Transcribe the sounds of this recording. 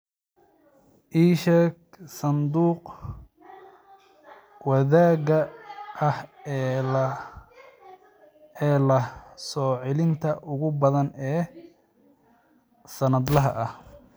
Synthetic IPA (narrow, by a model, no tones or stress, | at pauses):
ʔiːʃɛk | sɐnd̪uːq | wɐðaːɣɐɐh | ɛːlɐsɔːʕɪlɪnt̪ʰɐʔʊɣʊbɐðɐnɛː | sɐnɐd̪lɐɦɐ̰ʔɐh